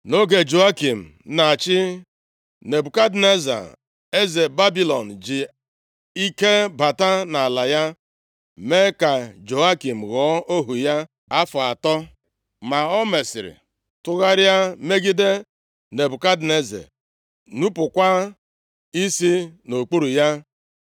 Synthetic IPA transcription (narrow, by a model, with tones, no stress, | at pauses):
no˦ɡe˨d͡ʒo˨a˦ki˨m̩˨na˨t͡ʃɪ˦ | ne˨bʊ˨ka˦dne˦za̰˨ | e˦ze˨ba˦bi˨lɔ˨n̩˨d͡ʒi˨ | i˦ke˦ba˨ta˦na˨la˨ja˦ | me˦ka˨d͡ʒo˨a˦ki˨m̩˨ɣɔ˨˦o˦ɦu˨ja˦ | a˦fʊ˨a˨tɔ˦ | ma˨ɔ˦me˨sḭ˨ɾḭ˨ | tʊ˦ɣa˦ɾja˦me˦ɡi˦de˦ | ne˨bu˨ka˦dne˦zḛ˨ | nu˦pʊ˨kʷa˦ | i˦si˦no˨k͡pu˦ɾu˨ja˦